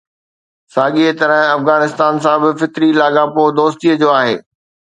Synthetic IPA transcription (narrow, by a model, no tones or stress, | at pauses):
saːɠiet̪ɐɾə̃ɦɐfɣaːnɪst̪aːnsãbɪfɪk̪ɾilaːɠãpod̪oːst̪iəd͡ʑoːaːɦeː